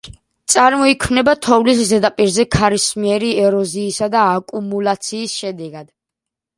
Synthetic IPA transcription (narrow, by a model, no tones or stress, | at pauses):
t̪sʼaɾmɔikʰmnɛbat̪ʰɔvlis̬zɛd̪apʼiɾzɛkʰaɾismiɛɾiɛɾɔziːsad̪aːkʼumulˠat̪sʰiːsʃɛd̪ɛɡad̪̥